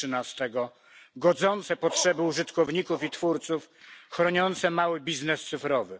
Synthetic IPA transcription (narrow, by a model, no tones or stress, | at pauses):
ɘnast̪ɛɡɔ | ɡɔd̪zɔnt̪sɛpɔtʂɛbɘuʐɘt̪kɔvɲikufit̪fuɾt̪suf | xɾɔɲɔnt̪sɛmawɘbʲiznɛst̪sɘfɾɔvɘ